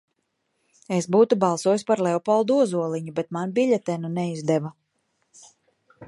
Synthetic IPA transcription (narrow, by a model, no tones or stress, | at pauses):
esbuːt̪ubɑlˠsuɔjuspaɾlɛɔpɔlˠd̪uɔzuɔlˠiɲubet̪̚manbiʎʲɛt̪ɛnunɛizd̪ɛva